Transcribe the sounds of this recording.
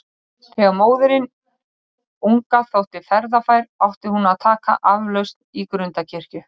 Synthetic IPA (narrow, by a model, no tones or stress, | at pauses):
θɛvmoːwðʏɾɪn | uŋkaθowht̪ɪfɛɾðafaːjɾawht̪ɪhunaðt̪ʰaːka̰ʔavlœɥst̪nikɾʏnt̪acʰɪr̥cʏ